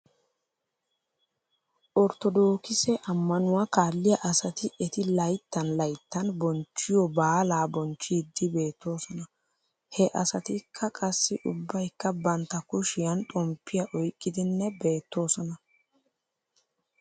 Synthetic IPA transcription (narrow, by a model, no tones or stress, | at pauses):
ʔɔɾt̪ɔd̪o̞ːkɪsɛʔɐmːɐnʊwɐkaːlːɪjɐʔɐsɐt̪ɪʔɛt̪ɪlɐjt̪ːɐnlɐjt̪ːɐnbɔnt͡ʃːɪjɔbaːlaːbɔnt͡ʃːɪd̪ːɪbe̞ːt̪ːo̞ːsɔnɐ | hɛʔɐsɐt̪ɪkʰːɐkʼɐsːɪʔʊbːɐjkːɐbɐnt̪ːɐkʊʃɪjɐnt̪ʼɔmpʰːɪjɐʔɔjkʼːɪd̪ɪnːɛbe̞ːt̪ːo̞ːsɔnɐ